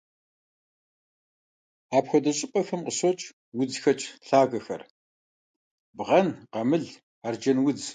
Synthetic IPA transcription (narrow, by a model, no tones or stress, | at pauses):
aːpxʷɔdɐɕʼɪpʼɐxɐmqəsot͡ʃʼ | wʊd͡zxɐt͡ʃʼɬaːɣɐxɐ̰r | bʁɐnqɐmɨɮ | aːrd͡ʒɐnwʊd͡z